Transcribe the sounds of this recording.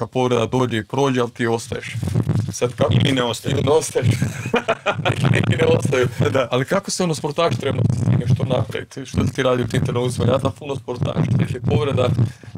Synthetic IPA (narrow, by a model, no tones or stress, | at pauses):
kad̪̚po̞ʋɾed̪ad̪o̞ːd͡ʒeipɾo̞ːd͡ʒealˠt̪iːo̞st̪ajeʃsad̪kakot̪ineost̪ajunost̪ajeʃ | knḛkineost̪ajud̪aalikakoseonospoɾt̪aːʒt̪ɾebanot̪i̥st̪ḭɡaʃt̪onapɾa̰ʋḭt̪ʃt̪osi̥t̪iɾaːd̪iout̪int̪eɾnolusma̰ɲat̪apunospoɾt̪a̰ːʃt̪eʃipo̞ʋɾed̪a